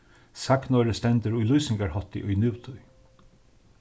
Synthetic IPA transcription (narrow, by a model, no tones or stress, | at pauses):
saknɔːɾəst̪ɛnt̪əɾʊjlujsɪŋɡaɹhɔt̪ɪ̰ʔʊjnuwt̪ʰʊj